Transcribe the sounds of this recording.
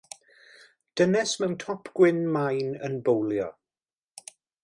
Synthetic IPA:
d̥ənɛsmɛwntʰɔpʰɡ̥wɪnmajnə̰nbowljɔ̰

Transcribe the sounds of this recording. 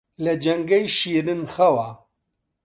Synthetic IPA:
lɐd͡ʒɐŋɡɐjʃiːɾɨnxɐwa

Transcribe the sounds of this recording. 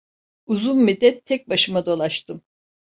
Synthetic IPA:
uzunmid̪ːɛt̪ʰːɛc̚baʃɯmad̪o̞lˠaʃt̪ʰɯm

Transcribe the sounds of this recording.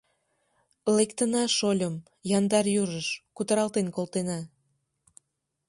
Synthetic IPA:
lekt̪ənɑʃolʲəm | jɑnd̪ɑrjyɾəʃkut̪əɾɑlt̪enkolt̪enɑ

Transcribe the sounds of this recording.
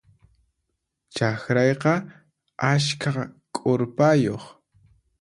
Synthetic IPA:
t͡ʃaxɾajqɑ | askʰakʼoɾpajoχ

